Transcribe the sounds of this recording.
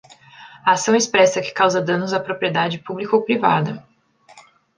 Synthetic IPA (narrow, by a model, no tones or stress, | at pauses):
ɐasɐ̃w̃espɾɛsɐkɪ̥kawzɐd̪ɐ̃nʊzɐpɾopɾied̪ad͡ʒɪpublikowpɾiva̰d̪ɐ